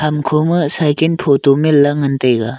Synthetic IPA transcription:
kʰamkʰomɯsajkenpʰotomelːɐŋɐntɐjɡa

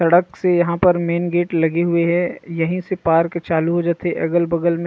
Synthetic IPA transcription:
sɐɽəksejɐɦãpɐɾmeːnɡeːʈlɐɡeɦʊeɦɛjɐɦĩsepaːɾkt͡ʃaːluɦod͡ʒaːt̪eeʔɐ̰ːɡəlbɐɡəlm̃

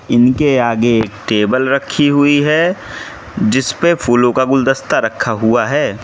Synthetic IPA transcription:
ɪnkeaːɡeːkʈeːbəlɾɐkʰːiɦʊiɦɛ | d͡ʒɪspefʰuːlõkaɡʊld̪əst̪aɾɐkʰːaɦuaɦɛː

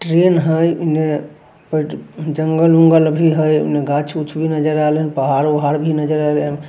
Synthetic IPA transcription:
ʈɾenɦəjune | pəʈd͡ʒəŋɡəlũŋɡəlbʱiɦəjṵneɡãt͡ʃʰut͡ʃʰbʱinəd͡ʒəɾalɦənpəɦaɾuɦaɾbʱinəd͡ʒəɾalən

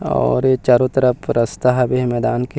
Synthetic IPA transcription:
ɔ̰ːɾt͡ʃaːɾõt̪ɾəpɾɐst̪aɦbemɛːd̪aːnke

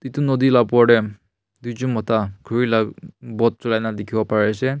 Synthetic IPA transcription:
titunɔdilab̚ɔɖɛ | d̪ujzumɔtaɡʰʱuɹilaɡbɔt̚sɔlajnadekʰibɔpaɹɛsɛ

